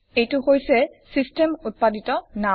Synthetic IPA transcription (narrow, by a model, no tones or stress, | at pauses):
ejtʊhojsɛsistemut̚paditɔna